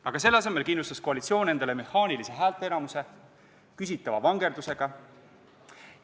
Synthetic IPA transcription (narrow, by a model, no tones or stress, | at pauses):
ɑɡ̥ɑs̬e̞lːɑse̞me̞lkinlust̪ɑsko̞ɑlit̪sio̞ːne̞nd̪̥ele̞me̞hɑːnilise̞ɦæːlt̪ːˑeenɑmuse̞ | kys̬ʲit̪ːˑɑvɑvɑŋɡe̞ɾd̪̥use̞ɡ̥ɑ